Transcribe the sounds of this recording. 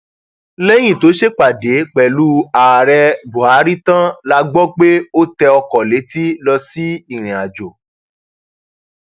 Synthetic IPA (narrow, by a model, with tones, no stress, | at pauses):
lɛ˦j̃ĩ˦˨to˨˦ʃe˦k͡pa˨de˨˦k͡pɛ˨lu˦a˨ɾɛ˧bu˨a˨˦ɾi˦tã˦la˧ɡ͡bɔ˦k͡pe˦o˦tɛ˧ɔ˧kɔ˨le˨˦ti˦lɔ˧si˦i˦˨ɾ̃ĩ˨a˨d͡ʒo˨